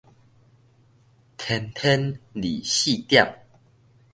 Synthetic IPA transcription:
t̪ʰɛ˧nt̪ʰɛ˦nlḭ˨˩ɕi˥˨t̪ja˥˨ŋ

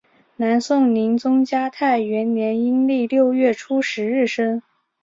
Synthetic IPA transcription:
na˧˥nsʊ˥˩ŋni˧˥ŋt͡sʊ˥ŋt͡ɕja˥t̪ʰa˥˩ɪɥɛ˧˥nnjɛ˧˥ni˥nli˥˩˧ljo˥˧ʊɥɛ˥˩ʈ͡ʂʰu˥ʂɻ̩˧˥ɻɻ̩˥˩ʂə˥ŋ

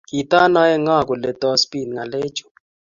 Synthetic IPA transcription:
ki˨ta˦na˦ɛ˦ŋa˦˨k̬ɔ˨lɛ˨tɔ˦spi˨nŋa˨leː˦t͡ʃɔ̥˨

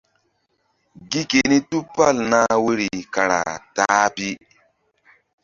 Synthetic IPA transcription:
ɡi˦ke˨ni˦tu˦pa˦lna˦we˦ɾi˨ka˨ɾa̰˨taː˨˦pi˦

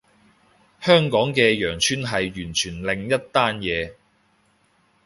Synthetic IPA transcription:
hœː˥ŋkɔː˨˥ŋkɛː˧jœː˨˩ŋt͡ʃʰyː˥nɦɐ˨jɥyː˨˩nt͡ʃʰyː˨˩nlɪ˨ŋjɐ˥t̚t̪aː˥njɛː˨˧

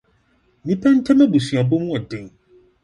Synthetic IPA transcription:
nĩ˦pʰɛ˦n̩˦tʰɛ˦mɛ̃˦bu˨sɥa˨bo˦mũ˦ɔ˨dɪ̃˨ŋ

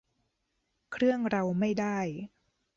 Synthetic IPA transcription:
kʰɾɯ˥˩əŋɾa˧wma˥˩jdaː˥˩j

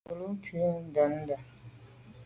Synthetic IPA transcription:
u˨lu˦kʰi˨˦da˨n˦da˨

